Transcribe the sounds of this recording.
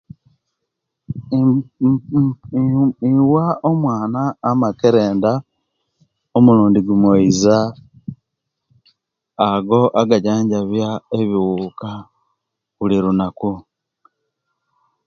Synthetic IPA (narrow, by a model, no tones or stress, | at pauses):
iwaomwaːnaːmakeɾe̞ːnda | omuluːndiɡumwoiza | ɡo̞ʔaɡaɟaːɲɟaβjaeβiwuːka | βuliɾunaku